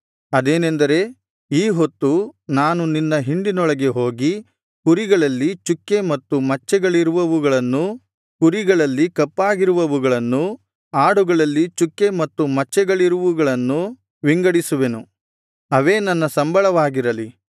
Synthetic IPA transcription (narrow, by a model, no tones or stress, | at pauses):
ɐd̪e̞ːnend̪ɐɾe̞ | iːɦot̪ːunaːnuninːɐɦiɳɖinɔɭɐɡe̞ɦo̞ːɡi | kuɾiɡɐɭɐlːit͡ʃukːe̞mɐt̪ːumɐt͡ʃːɛɡɐɭiɾuʋɐʋuɡɐɭɐnːu | kuɾiɡɐɭɐlːikɐpːaːɡiɾuʋɐʋuɡɐɭɐnːu | aːɽuɡɐɭɐlːit͡ʃukːe̞mɐt̪ːumɐt͡ʃːɛɡɐɭiɾuʋuɡɐɭɐnːu | ʋiŋɡɐɽisuʋe̞nu | ɐʋe̞ːnɐnːɐsɐmbɐɭɐʋaːɡiɾɐli